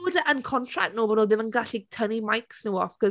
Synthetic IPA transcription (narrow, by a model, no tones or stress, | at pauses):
ədəʔənkʰɔntʰra̰ktnoːbɔnoːðɪmənɡaɬitʰənimajksnuwɔfkʰɔ